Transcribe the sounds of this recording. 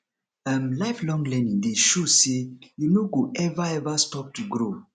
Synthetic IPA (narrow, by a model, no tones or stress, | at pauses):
ãmlaɪflɔ̃ŋlɛ̃nĩŋdeʃosejunoɡoɛvaɛvastɔp̚tuɡɹo